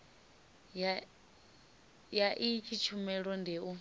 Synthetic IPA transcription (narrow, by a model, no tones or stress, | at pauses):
ja | jaʔit͡ʃʰit͡ʃʰumɛɺɔndeu